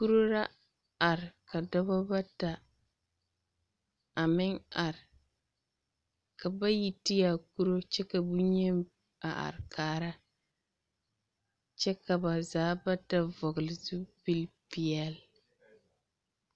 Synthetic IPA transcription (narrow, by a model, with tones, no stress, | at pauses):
ku˦ɾo˦ɾa˦ | a˨ɾɪ˨ka˨dɔ˦ba˦ba˦ta˨ | a˨mɪ˦ŋa˨ɾɪ˨ | ka˨ba˦ji˦ti˦ja˨ku˦ɾo˦t͡ʃɛ˦ka˨bu˦ɲɛ˦m | a˨ʔa̰˨ɾkaː˦ɾa˦ | t͡ʃɛ˦ka˨ba˨zaː˨˦ba˦ta˨vɔ˨ɡʊ˨lɪ˨zu˦pi˦lpi˨ɛ˦˨l